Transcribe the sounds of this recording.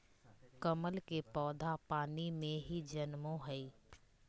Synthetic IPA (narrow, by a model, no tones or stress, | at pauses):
kəməlkepɔːd̪ʱapaːnimẽɦid͡ʒənmõɦɛiː